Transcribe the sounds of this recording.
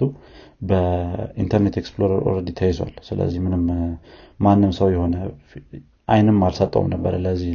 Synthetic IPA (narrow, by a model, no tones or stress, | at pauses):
u | bəint̪ʰəɾnet̪eksploɾəɾʔṵɾəd̪jɪt̪ʰːəjɛswa̰lsɨlə̰zːihmɨnɨm | manːɨmsəwjɛho̞nə | ʔajnɨmːalsət̪ʼːə̰wṵmnəbːəɾləzːih